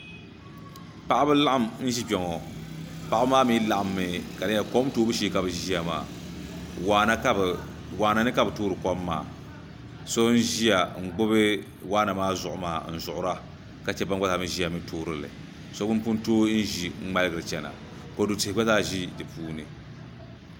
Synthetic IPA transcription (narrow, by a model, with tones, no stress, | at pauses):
pa˦ʔa˦bɨ˦la˦ʔa˦˨mn̩˦ʒi˦bɛ˨ŋɔ˨pa˨ʔa˦bmaː˦mi˦la˨ʔa˨mːɨ˨ka˨dɨ˦a˨kɔ˦m˦toː˦bɨ˦ʃi˦ka˨bɨ˨ʒi˦a˨ma̰ː˨ | a˦na˦˨ | waː˨na˨nɨ˦ka˨bɨ˨toː˦ɾɨ˨kɔ˦mːa̰ː˨ | so˦n̩˦ʒi˦ja˨ŋ͡m̩˨ɡ͡bʊ˦bɨ˦ | waː˦na˨maː˦zʊ˨ʔʊ˨ma̰ː˨n̩˦˨zʊ˨ʔʊ˨ɾa˦ | ka˨t͡ʃɛ˦ba˦n˦ɡ͡ba˦ta˨mɨ˦ʒi˦a˨mi˦tʰoː˦ɾɨ˦lɨ̰˨ | so˦bɨ˦n˦pu˦n˦toː˦n̩˦ʒi˨ŋ̩˦ŋ͡ma˦lɨ˦ɡɨ˨ɾɨ˨t͡ʃɛ˨na̰˨ | ko˨du˨tɪ˨hɪ˨˦ɡ͡ba˦zaː˦ʒi˦dɨ˨puː˦nɨ˨